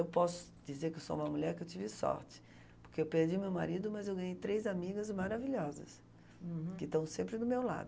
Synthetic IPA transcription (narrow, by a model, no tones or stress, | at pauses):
ewpɔsʊ̥ | d͡ʒizeɾkɪewso̰ũmɐmuʎɛɾkɪewt͡ʃivɪsɔ̰ɾt͡ʃɪ̥ | poɾkeewpeɾd͡ʒimewma̰ɾid̪ʊmɐzewɡɐ̃ɲejt̪ɾejzamiɡɐzmaɾaviʎɔzɐ̰s | kɪt̪ɐ̃w̃sẽmpɾɪd̪ʊmewla̰d̪ʊ